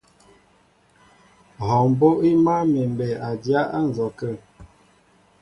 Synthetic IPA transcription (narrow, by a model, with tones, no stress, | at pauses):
hɔ˨m˨bo˦ʔi˦ma˦me˨m˨bɛ˨a˨dja˦ʔa˦n̩˨zɔ˨kə˦˨